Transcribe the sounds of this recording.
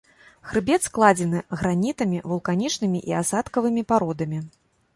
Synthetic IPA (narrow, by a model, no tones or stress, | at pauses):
ɣɾɨbʲɛt̪sklˠad͡zʲɛnɨɣɾanʲit̪ɐmʲivulˠkanʲit͡ʂnɨmʲiʔiasat̪kɐvɨmʲipaɾɔd̪ɐmʲi